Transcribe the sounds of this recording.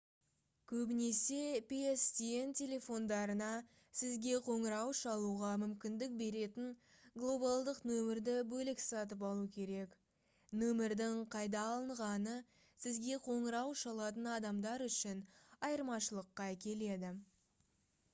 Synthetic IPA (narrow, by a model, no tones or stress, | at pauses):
kʲʰɵbɪne̞se̞peest̪ientʲʰe̞lʲe̞fo̞nd̪ɑɾənɑ | sɪzɡʲe̞qʰo̞ɴəɾɑwʃɑlˠuʁɑmʏmkʲɪnd̪ɪk̚be̞ɾe̞t̪ɪŋ | ɡlˠo̞balˠd̪əqnɵmɪɾd̪ɪbɵlɪksɑt̪̬əp̬ɑlˠukʲʰe̞ɾe̞k | nɵmɪɾd̪ɪŋqʰɑjd̪ɑːlˠəɴʁɑnə | sɪzɡʲe̞qʰo̞ɴəɾɑwʃɑlˠɑt̪ənɑd̪ɑmd̪ɑɾʏʃɪnɑjəɾmɑʃəlˠəqːɑækʲe̞le̞d̪ɪ